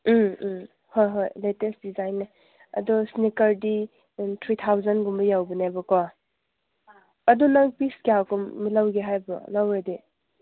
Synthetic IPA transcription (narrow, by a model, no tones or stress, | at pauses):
m | hojɦojletesdizajnːe | ɐ̰dɔsnikəɾdi | t̪ʰɾit̪ʰawzanɡuməjawbinajbɔkɔ | ɐdunaŋpiskeawkumːilawɡeɦajbɔ̰lawɾedi